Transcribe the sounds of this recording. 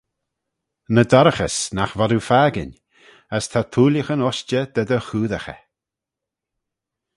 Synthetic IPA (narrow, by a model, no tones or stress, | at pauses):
nəd̪ɔɾəxəsnaxvɔdufaːɡɪ̰n | əst̪ʰat̪ʰuːləxənɔʃt͡ʃəd̪̥əd̪əxuːðəxə̰